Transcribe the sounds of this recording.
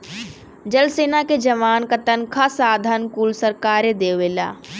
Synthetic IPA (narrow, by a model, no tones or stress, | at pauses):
d͡ʒɐlseːnaked͡ʒɐʋaːnkɐt̪ənkʰasaːd̪ʱənkuːlsɐɾkaːɾed̪eːʋeːla̰ː